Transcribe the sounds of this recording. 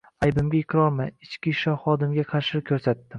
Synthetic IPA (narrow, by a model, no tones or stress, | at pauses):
ajbɪmɡʲaɪkʲʰɾɒɾmajɪt͡ʃkʲɪʃɒχɒd̪ɪmɡʲaqʰɑɾʃɪkʲʰɵɾsat̪ːɪm